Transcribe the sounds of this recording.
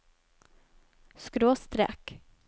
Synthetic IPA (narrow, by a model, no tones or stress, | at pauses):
skɾoːst̪ɾɛ̰k